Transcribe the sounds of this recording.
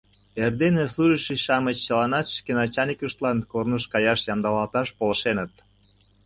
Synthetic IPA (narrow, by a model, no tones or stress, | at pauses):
erd̪enes̬luʒəʃiʃɑmət͡ɕːəlɑnɑt̪ʃkenɑt͡ɕɑnʲikʲuʃt̪lɑnkornuʃkɑjɑʃjɑmd̪ɑlɑlt̪ɑʃpolə̆ʃenət̪̚